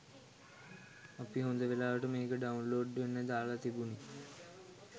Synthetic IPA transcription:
apiɦond̪əʋelaːʋəʈəmeːkəɖaunloːɖːʋenːəd̪aːlat̪ibuni

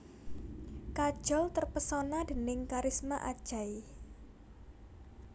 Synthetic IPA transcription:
kad̥ʒ̥ɔlt̪ərpəsonadənɪŋkaɾɪsmaʔad̥ʒ̥ai

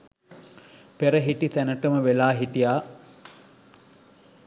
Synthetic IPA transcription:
peɾəɦiʈit̪ænəʈəməʋelaːɦiʈijaː

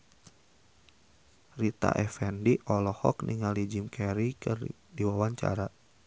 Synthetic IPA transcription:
rit̪a̰ʔɛfɛndiʔɔlɔhɔ̰kniŋalid͡ʒimkʰɛɾikɨ̰r | diwawaɲt͡ʃa̰ɾa

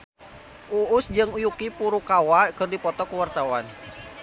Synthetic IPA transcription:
ʔuusd͡ʒɨŋujukipuɾukawakɨrdipɔt̪ɔkuwart̪awan

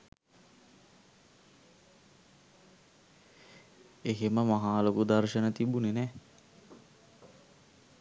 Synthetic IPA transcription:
eɦeməmaɦaːlokud̪arʃənət̪ibunenɛː

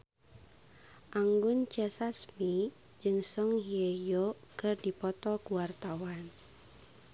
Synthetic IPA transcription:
ʔaŋɡʊnt͡ʃɛsasmi | d͡ʒɨŋsɔŋɦiejokɨrdipɔt̪ɔkuwart̪awan

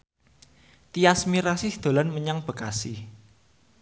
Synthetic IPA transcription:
t̪iasmiɾasɪhd̪̥o̤lanməɲaŋb̥ə̤kasi

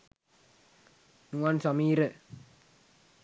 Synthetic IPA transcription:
nuansamiɾə

